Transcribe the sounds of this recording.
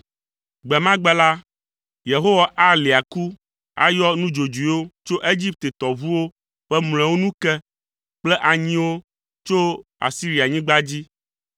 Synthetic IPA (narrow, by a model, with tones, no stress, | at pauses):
ɡ͡bɛ˨mã˦ɡ͡bɛ˦la˦ | je˨ɦo˦wa˨ʔa˦le˨a˨ku˦ | a̰˦jɔ˦nũ˦d͡ʒo˨d͡ʒu˨i˨˦wo˦t͡ʃo˦ʔe˦d͡ʑi˦p̚t̪e˨t̪ɔ˨vu˦wo˦ | ɸɛ˦ml̃ɛ̃˨wo˦nũ˦kɛ˦ | k͡plɛ˦ʔa˨ɲĩ˦wo˦ | t͡ʃo˦a̰˨si˦ɾi˨a˨ɲĩ˦ɡ͡ba˦d͡ʑi˦